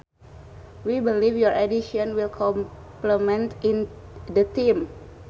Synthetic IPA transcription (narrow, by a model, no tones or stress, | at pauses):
wibilifjɔɹɛdiʃiɔnwilkʰɔm | plɛmɛ̃nt̪in | dət̪im